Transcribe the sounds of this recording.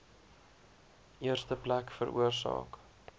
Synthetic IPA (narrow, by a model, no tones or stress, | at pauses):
ʔiərstəplækfəɾʔṵərsɑ̰ːk